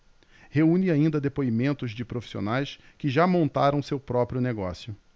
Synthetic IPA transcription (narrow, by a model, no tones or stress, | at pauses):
heũnɪaĩnd̪ɐd̪epoimẽnt̪ʊzd͡ʒɪpɾofi̥sio̰najs | kɪʒamõnt̪aɾɐ̃w̃sewpɾɔpɾjʊneɡɔsjʊ